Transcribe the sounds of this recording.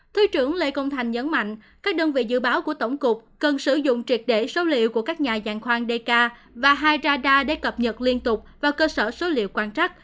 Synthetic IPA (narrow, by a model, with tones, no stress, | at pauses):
t̪ʰi˨˦t͡ɕɨ˧˩əŋlḛ˧kə˧wŋ͡mt̪ʰa˨˩jŋ̟ɲə˨˦nma̰˧˨jŋ̟kaː˦˥k̚ɗəː˧nvḭ˧˨zɨ̰˧˨ɓaː˨˦wku˧˩ət̪ə˧˩wŋ͡mkʊ˨˩k͡p̚kə˨˩nsɨ˧˩zʊ̰˧˨ŋ͡mt͡ɕwi˨˩ət̚ɗe˧˩so˨˦lḭ˧˨əwku˧˩əkaː˦˥k̚ɲaː˨˩zaː˨˩ŋxwaː˧ŋɗe˧kaː˧ | vaː˨˩ɦaː˧jzaː˧ɗaː˧ɗe˧˩kə˨˩p̚ɲə˨˩t̚li˧ənt̪ʊ˨˩k͡p̚vaː˨˩kəː˧səː˧˩so˨˦lḭ˧˨wkwaː˧nt͡ɕa˦˥t̚